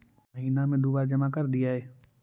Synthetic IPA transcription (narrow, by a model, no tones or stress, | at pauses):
mɐɦiːnamẽd̪uːbaːɾd͡ʒɐmakɐɾd̪ijaɦɛː